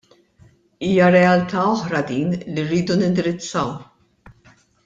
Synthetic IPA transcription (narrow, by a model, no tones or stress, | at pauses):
iːjɐɾɛɐlt̪ʰɐɔħɾɐd̪iːnlirːiːd̪unɪnd̪ɪɾɪt͡sːɐw